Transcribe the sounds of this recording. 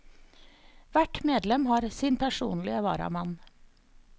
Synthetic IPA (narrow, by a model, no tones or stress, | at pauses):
ʋæʈmeːd̪lɛmhɑːɾsɪnpʰæʂṵːnlɪəʋɑ̰ːɾɑ̰mɑn